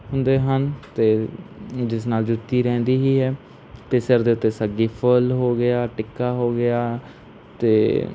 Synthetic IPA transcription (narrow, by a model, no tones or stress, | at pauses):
ɦʊ̃nd̪eːɦənt̪eː | d͡ʒɪs̬naːld͡ʒʊt̪ːiːɾɛ̃ːnd̪iːɦiːɦɛː | t̪eːsɪɾd̪eːʊt̪ːeːsəɡiːpʰəlɦoːɡɪaːʈɪkːaːɦoːɡɪjaː | t̪ḛː